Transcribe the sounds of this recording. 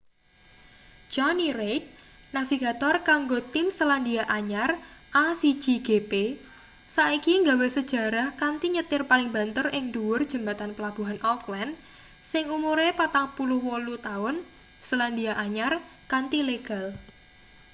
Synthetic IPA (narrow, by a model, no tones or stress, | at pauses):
d͡ʒ̥ɔniɾejt̪̚naviɡat̪ɔrkaŋɡot̪ɪmsəland̪iaʔaɲar | ʔasi̥d͡ʒ̥iɡ̥epe | saikiŋɡawesəd̥ʒ̥a̤ɾahkant̪iɲət̪ɪrpalɪŋba̤nt̪ərɪŋd̪uwʊrd̥ʒ̥ə̤mbat̪anpəlab̥uɦanʔɔklan | sɪŋumuɾepat̪aŋpulʊhwɔlut̪aʊn | səland̪iaʔaɲar | kant̪ileɡ̥a̤l